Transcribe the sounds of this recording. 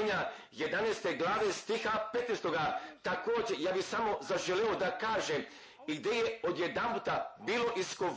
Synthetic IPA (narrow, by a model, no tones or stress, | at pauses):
ɲa | je̞d̪anest̪eɡlˠaːʋest̪ixapet̪nest̪oɡat̪akoːd͡ʑejaːbisamo̞zaʒeleod̪akaːʒem | iɡd̪ejeo̞d̪jed̪amput̪abiːlo̞ʔisko̞